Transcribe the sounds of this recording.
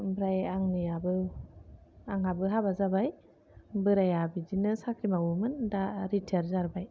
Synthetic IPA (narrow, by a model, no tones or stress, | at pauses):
bɾajaŋnɯjabɯ | aŋɦabɯɦabazabaj | bɯɾajabizinɯsakɾimawumɯndaɾitʰeɾzaɾbaj